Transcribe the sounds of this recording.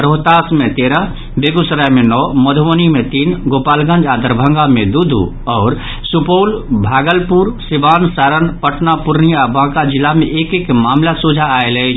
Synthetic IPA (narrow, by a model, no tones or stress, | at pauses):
ɾoɦt̪asmet̪eɾə | beɡusɾajmenɔməd̪ʱʋənimet̪inɡopalɡə̃nd͡ʒad̪əɾbʱə̃ŋɡamed̪ud̪ʱṵ | ɔːɾ | supoːlbʱaːɡəlpuɾsibansaɾənpəʈnapuɾniabãkad͡ʒilameʔekekmamlasud͡ʒʱaːelɛt͡ʃʰ